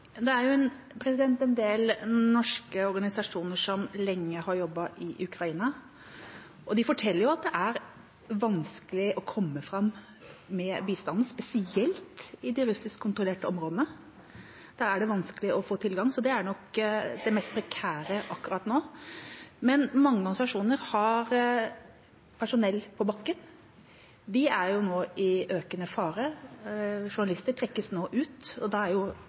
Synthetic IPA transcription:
jɑd̪ɛæɾjʊɛn | pʰɾɛsɪd̪ɛnt̪ɛnd̪eːlnɔʂkəɔɾɡɑnɪsɑʂuːnəʂɔmlɛŋːəhɑɾjɔbːɑʔɪʔʉkɾɑiːnɑ | ʔɔd̪ɪfɔʈʰɛlːəɾjʊɑt̪̚d̪ɛʔæɾ | ʋɑnskəlɪʔɔkʰɔmːəfɾɑmː | ɛbiːst̪ɑnd̪n̩spɛsɪɛlt̪ɪd̪ɪɾʉsɪskʰːʊnt̪ɾʊleːʈəɔmɾoːd̪ənə | d̪̥ɑɾæɖɛʋɑnskəlɪʔɔfoːt̪ʰɪlɡɑŋsɔd̪ɛæɳɔkd̪ɛmɛst̪̚pʰɾɛkʰæːɾəʔɑkːʉɾɑt̪noː | mɛnmɑŋːəɡ̪nsɑʂuːnəɾhɑɾ | pʰæʂʊnɛlːpʰɔbɑkːən | ʋ̪ɪæɾjʊnoːɪøːkənəfɑːɾə | ʂʊɳɑlɪst̪əʈʰɾɛkːəsnoːʔʉːt̪ɔd̪ɑæɾjʊ

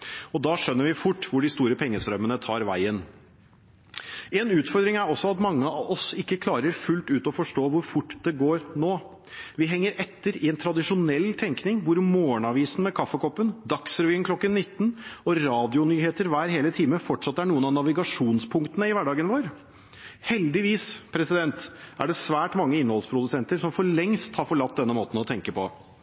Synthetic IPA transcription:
ɔd̪ɑːʂœnːəɾʋɪfʊʈːʋʊɖɪst̪uːɾəpʰɛŋːəst̪ɾœmənət̪ʰɑːɾʋæ̰ɪən | ɛnʉːt̪fɔɾd̪ɾɪŋæɾɔsːɔɑt̪mɑŋːəɑɔsɪkːəkʰlɑːɾəɾfʉlt̪ʉːt̪ɔfɔʂʈoːʋʊɾfʊʈːd̪ɛɡoːɾnoː | ʋɪɦɛŋːəɾɛt̪ːəɾɪɛnt̪ʰɾɑd̪ɪʂʊnɛlːt̪ʰɛŋknɪŋʋʊɾmoːɳɑʋiːsn̩mɛkʰɑfːəkɔpːənd̪ɑksɾʋiːənklɔkːənːɪt̪ːnɔɾɑːd̪ɪʊnyːheːt̪əɾʋæːɾheːlət̪ʰiːməfɔʈʂɑt̪ːæɳuːənɑnɑʋɪɡɑʂuːnspʰʊŋkt̪ənəɪʋæɖɑːɡənʋoːɾ | hɛld̪ɪʋiːspʰɾɛsɪd̪ɛnt̪ʔæɖɛsʋæːʈmɑŋːəɪnəhɔlspʰɾʊd̪ʉsɛnt̪əɾsɔmfɔɭɛŋst̪hɑɾfɔɭɑt̪̚d̪ɛnːəmoːt̪n̩ɔt̪ʰɛŋkəpʰɔ̰

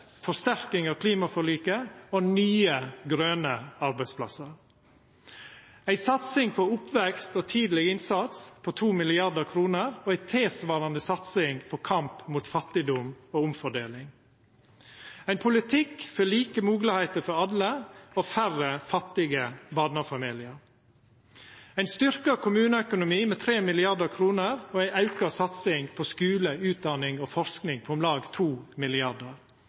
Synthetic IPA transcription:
fɔst̪æɾkɪŋɑːkʰliːmɑfɔɭiːkəoːnyːəɡɾøːnəɑɾbæɪspʰlɑ̰səɾ | æɪsɑt̪sɪŋpʰoːʊpʋɛkst̪oːt̪ʰiːd̪lɪɡɪnsɑt̪spʰoːt̪ʰuːmɪlɪɑɖ̪əɾkʰɾuːnəɾoːæɪt̪ʰeːsʋɑːɾɑnəsɑt̪sɪŋpʰoːkʰɑmpmuːt̪fɑt̪ɪd̪ʊmoːʊmfɔɖḛːlɪŋ | æɪnpʰʊlɪt̪ʰɪkføɭiːkəmuːɡlɪhæɪt̪əɾfɔɾɑlːəoːfærəfɑt̪ːɪɡəbɑːd̪nɑfɑmɪːlɪəɾ | æɪnst̪ʏɾkəkʰʊmʉːnəœkʊnʊmiːmeːt̪ʰɾeːmɪlɪɑɖəɾkʰɾuːnəɾoːæɪʔɑʉkəsɑt̪sɪŋpʰoskʉːləʉːt̪̚d̪ɑnɪŋoːfɔɾsknɪŋpʰɔmlɑːɡt̪ʰuːmɪlɪɑɖəɾ

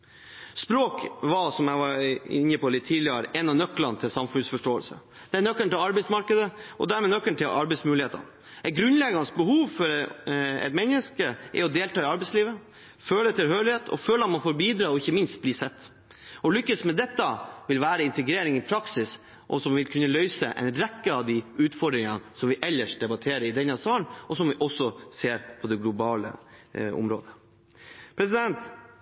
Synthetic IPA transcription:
spɾoːkʋɑsɔmjæɪʋɑɾɪnːəpɔlɪt̪ʰːiːd̪lɪə̰ɾɛnɑʋnœkːlɑnt̪ʰɪlsɑmfʉnsfɔʂʈoːəlsə̰ | d̪̥ɛænœkːəɳʈ̪ɪlɑɾbɛɪsmɑɾkəd̪əʔɔ̰d̪æɾmɛːnœkːəɳʈ̪ɪlʔɑ̰ɾbɛɪsmʉːlɪheːt̪ə̰n | æt̪ɡɾʉnlɛɡɑnəsbəhuːʋfɔɾɛ̰ɪt̪mɛnːəskəʔɛ̰ɔd̪eːlʈ̪ɑːɪɑɾbɛɪsliːʋə | føːləɛt̪ʰːɛlhøːɭɪheːt̪ʰɔ̰føːləɑt̪mɑnfoːɾbiːd̪ɾɑːɔɪçːəmɪnst̪̚bliːsɛt̪ː | ɔlʏkːəsmɛd̪ɛt̪ːəʋɪlʋæːɾəɪnt̪əɡɾeːɾɪŋɪpʰɾɑksɪs | ʔɔ̰sɔmʋɪlkʰʉnːəlœʏsə̰ʔɛ̰ɪnɾɛkːəɑʋd̪ɪʔʉːt̪fɔɖ̪ɾɪŋɑnsɔmʋɪʔɛlːəʂd̪ɛbɑt̪ʰeːɾəɾɪd̪ɛnːɑsɑːnʔɔsɔmʋɪʔɔsɔseːɾpʰɔd̪ɛɡlʊbɑːlə̰ʊ̰mɾo̰ːd̪ə | pʰɾɛsɪd̪ɛnt̪

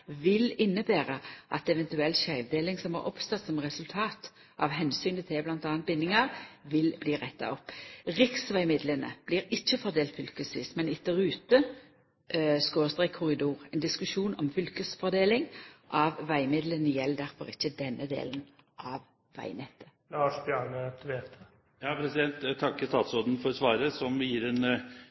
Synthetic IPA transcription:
ʋɪlɪnːəbæːʁəʔɑ̰t̪ɛʋɛnt̪ʉɛlːɕœʏʋd̪eːlɪŋsɔmhɑ̰ɾʔɔ̰pst̪ɑt̪sɔmʁɛsʉlt̪ʰɑːt̪ | ʔɑʋɦɛnsyːnət̪ʰɪblɑnt̪ɑːnnt̪̚bɪnːɪŋɑʁʋɪlbliːʁɛt̪ːɑ̰ɔpːʁɪksʋæɪmɪd̪lənə̰b̥liːɾɪçːəfɔʁd̪eːlt̪fʏlkəsʋḭːsmɛnɪt̪̚d̪æʁʉːt̪ə | skoːst̪ʁɛɪkʰʊʁɪd̪uːʁɛnd̪ɪskʉʂuːnɔmfʏlkəsfɔɾd̪eːlɪŋʔɑʋʋæɪmɪd̪lənjɛld̪æɾfɔɾɪçːəd̪ɛnːəd̪ḛːlən | ʔɑʋ | ʋæ̰ɪnɛt̪ːə̥ | lɑːʂbjɑɳət̪ʰʋeːt̪ə | jɑːpʰɾɛsɪd̪ɛnt̪t̪ʰːɑkːəst̪ɑːt̪sɔd̪nfɔɾɔsʋɑːɾəsɔmjiːɾɛn

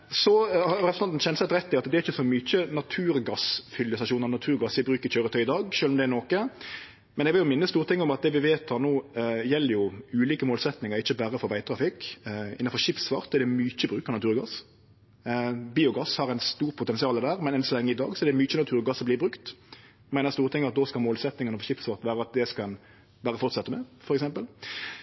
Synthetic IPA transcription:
sɔhɑɾɛpɾsn̩ɑt̪nçɛnsɛt̪ɾɛt̪ːɪɑt̪d̪ɛæɾɪçəsɔmyt͡ʃənɑt̪ʰʉːɾɡɑsfʏljəsɑʃuːnəɾnɑt̪ʰʉːɾɡɑsʋɪbɾʉːkəɾçøːɾət̪ʰœʏɪd̪ɑːɡʃøːlɔmd̪ɛɛɾnoːkə | mɛnɛɡʋɪljʊmɪnːəst̪uːɾt̪ɪŋːəɔmɑt̪̚d̪ɛʋɪʋeːt̪hɑɾnoːjɛlːəɾjʊʉːliːkəmoːlsɛt̪nɪŋəɾɪçːəbæɾəfɔɾʋæɪt̪ʰɾɑfɪkɪnːn̩fɔɾɕɪpsʋɑɾt̪ːɛɖ̪ɛmyːt͡ʃəbɾʉːkənɑt̪ʰʉːɾɔɡɑs | biːʊɡɑshɑʁæɪnst̪uːɾpʰʊt̪ɛnsɪɑːləd̪æːʁmɛnɛnsɔlɛŋːəɪd̪ɑ̰ːɡsɔɛɖd̪ɛmyːt͡ʃːənɑt̪ʰʉːɾɡɑsːɔbliːbʁʉkt̪ | mæɪnəst̪uːɾət̪ɪŋːɑt̪̚d̪oːskɑlmoːlsɛt̪nɪŋɪnfɔɕɪpsʋɑʁt̪ʋæːɾəɑt̪̚d̪ɛskɑn | bæːɾəfɔɾt̪sɛt̪ːəmɛfɔɾɛksɛmpəl

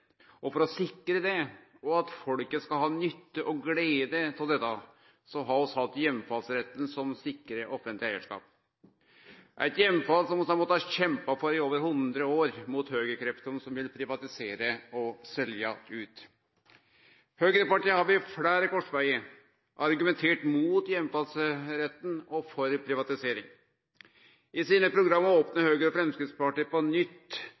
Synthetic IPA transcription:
ɔfɔɾɔsɪkːɾəd̪ɛ | ɔɑt̪fɔlkəskɑlɦɑːnʏt̪ːəʔɔɡleːd̪ət̪ʰɪld̪ɛt̪ːɑ | sɔɦɑɾɔshɑt̪ːjɛmːfɑlsɾɛt̪ːənsɔmsɪkːəɾəʔɔfənt̪lɪæɪəʂkɑ̰ːp̚ | ʔæ̰ɪt̪jɛmːfɑlsɔmɔsɑnmɔt̪ːɑɕɛmpɑfɔɾɪoːʋəɾhʊnd̪ɾəoːɾmut̪høːɡəkʰɾɛfd̪ɔmsɔmʋɪlpʰɾɪʋɑt̪ɪseːɾəɔsɛljɑʉːt̪ | høːɡəɾəpɑʈiːhɑːʋɪfɽæːɾəkɔʂʋæɪə | ʔɑɾɡʉmɛnt̪ʰeːʈmuːt̪jɛmːfɑlsɾɛt̪ːnɔfɔɾpʰɾɪʋɑt̪ɪseːɾɪŋ | ɪsiːnəpʰɾʊɡɾɑmːɑoːpnəhøːɡəɾɔfɾɛmskɾɪt̪spɑʈiːpɔnʏt̪ː

